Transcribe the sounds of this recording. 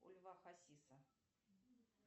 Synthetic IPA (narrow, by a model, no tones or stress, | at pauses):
ṵlʲvaxasʲisɐ